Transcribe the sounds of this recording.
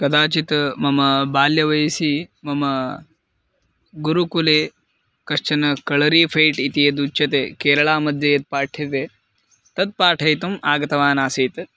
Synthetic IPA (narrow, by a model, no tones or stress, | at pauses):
kɐd̪aːt͡ʃit̪mɐmɐbaːljɐʋɐjɐsimɐmɐ | ɡuɾukuleː | kɐʂt͡ʃɐnɐkɐɭɐɾiːpʰɐjʈit̪ijɐd̪ut͡ʃːɐt̪eːkeːɾɐɭaːmɐd̪jɐjɐt̪̚paːʈʰit̪e | t̪ɐd̪̚paːʈʰɐjt̪umaːɡɐt̪ɐʋaːnaːsiːt̪